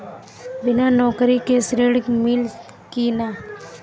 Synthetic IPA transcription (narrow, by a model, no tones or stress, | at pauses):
bɪnanɔːkɾikesɾeɽmɪl | kinaː